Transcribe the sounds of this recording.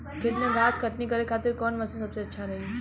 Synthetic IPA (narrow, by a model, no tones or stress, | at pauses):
kɪt̪nẽɡʱaːskɐʈ̪nikɐɾekʰaːt̪ɪɾkɔːnmɐsẽsɐbseɐtːʃʰaɾɐɦi